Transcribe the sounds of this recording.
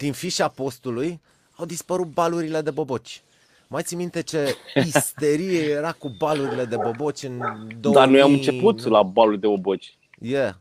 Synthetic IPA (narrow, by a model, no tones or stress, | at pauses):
d̪̥infiʃapo̞st̪uluj | awd̪ispəɾut̪̚baluɾile̞d̪e̞bo̞bo̞t͡ʃʲ | majt̪simint̪e̞t͡ʃe̞ist̪e̞ɾijeje̞ɾakubaluɾile̞d̪e̞bo̞bo̞t͡ʃʲɨnd̪od̪aanujamɨnt͡ʃe̞put̪labalulʲd̪ebobot͡ʃʲ | je